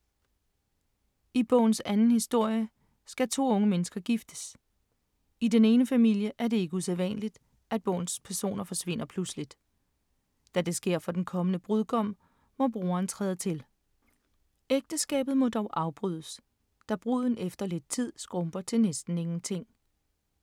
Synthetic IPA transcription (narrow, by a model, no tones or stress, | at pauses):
ib̥ɔ̰ʊ̰n̩sænn̩hisd̥o̝ɐ̰jə | sɡ̥æt͡sʰo̝̰ːɔ̽ŋəmenəsɡ̥ɐɡ̥ifd̥ə̥s | id̥ene̝ːnəfæmil̰jəʔæɐde̝e̝ɡ̥əuseðˠʋænlid̥ | ʔæd̥̚b̥ɔ̰̽ʊn̩spʰæɐso̝̰ːnɐfɒ̽sʋe̝n̰ɐpʰluslid̥ | d̥æd̥e̝sɡ̥e̝ɐ̰fɒ̽d̥enkʰɒ̽mənəb̥ʁuðˠɡ̥ɒ̽m̰ | ʋɒb̥ʁo̝ːɐːnt͡sʰʁɛːð̞ˠət͡sʰe̝l | eɡ̥̚d̥əsɡ̥ɛ̰ːb̥ð̩ˠmɒ̽d̥ɒʊʔɑ̈ʊb̥ʁyðˠəs | d̥æb̥ʁuð̰ˠn̩efd̥ɐle̝d̥̚t͡sʰið̞̰ˠsɡ̥ʁɔ̽mb̥ɐt͡sʰe̝lnesd̥n̩e̝ŋn̩t͡sʰe̝ŋ̰